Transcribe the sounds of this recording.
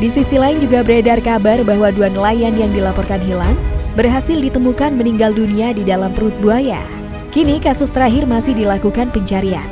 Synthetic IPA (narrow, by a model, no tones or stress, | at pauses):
disisilaɪnd͡ʒuɡabəɾedarkabarbaɦwaduanlajanjaŋdilapɔrkanɦilaŋbərɦasɪldit̪əmukanməniŋɡalduniadidalamt̪əɾut̪̚buaja̰ | kinikasʊst̪əɾaɦɪrmasɪhdilakukanpəɲt͡ʃaɾia̰n